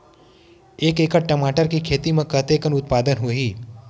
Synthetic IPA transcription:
eːkeːkəʈ̚ʈəmaːʈəɾkikʰeːt̪imẽkət̪eːkənʊt̪̚paːd̪ənɦoːɦiː

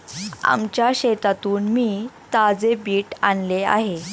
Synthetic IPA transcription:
a̰mt͡ɕjaɕet̪at̪uːnmiːt̪ad͡zebiːʈanlea̰ɦe

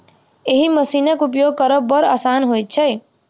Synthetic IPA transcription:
eɦiməsinekupjoɡ̚kəɾɔbəɾaːsanɦojt̪̚t͡ʃʰɛ

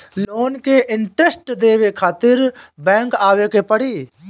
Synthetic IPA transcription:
loːnkeʔɪɳʈɾesʈd̪eːʋekʰaːt̪ɪɾbɛ̃ːŋkaːʋekepəɽiː

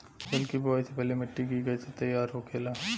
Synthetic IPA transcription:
bɐlkibaːisepɛːlemɐʈːiɡiːɡɐiset̪ɐjːaːɾɦokʰeːlaː

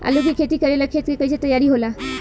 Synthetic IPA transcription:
a̰lukikʰet̪iːkəɾelakʰet̪kekəjt͡ɕet̪əjːaɾiːɦola

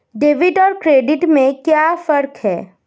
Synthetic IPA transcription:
ɖeːʋɪʈɔːɾkɾeːɖɪʈmẽkjaːfɐɾkɦɛ̰ː

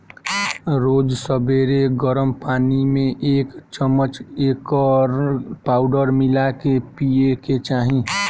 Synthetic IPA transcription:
ɾoːd͡ʒsəbeːɾeɡəɾəmpaːnimẽʔeːkt͡ʃəmːət͡ʃeːkəɾpaːʊɖəɾmɪlakepieket͡ʃaːɦĩ

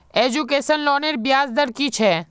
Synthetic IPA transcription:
eːd͡ʒukeːsənlɔːneːɾbɪjaːzd̪əɾkit͡ʃʰɛː

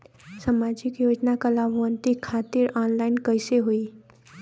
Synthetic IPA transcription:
samad͡ʒikjod͡ʒnakəlabʱʋənt̪ikʰːat̪iɾanlaɪinkəjseɦoi

